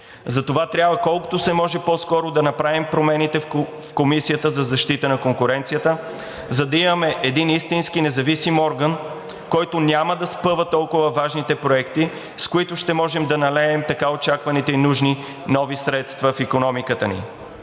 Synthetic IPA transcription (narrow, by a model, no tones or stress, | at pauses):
zɐt̪ovat̪ɾʲjabvəkɔlˠkʊ̥t̪ʊsɛmɔʒɛpɔskɔɾʊd̪ɐnɐpɾavimpɾomɛnit̪ɛ | fkomisijət̪əzɐzɐʃt̪it̪ənɐkoŋkʊɾɛnt̪sijət̪ə | zɐd̪ɐimɐmɛʔɛd̪inist̪inskinɛzɐvisimɔɾɡən | kɔjt̪ʊnʲaməd̪ɐspɤvət̪ɔlˠkʊvəvaʒnit̪ɛpɾoɛkt̪i | skʊit̪ʊʃt̪ɛmɔʒɛmd̪ɐnɐlɛɛmt̪ɐkaot͡ʃakvɐnit̪ɛinuʒni | nɔvisɾɛt̪st̪vəfikonɔmikət̪ənḭ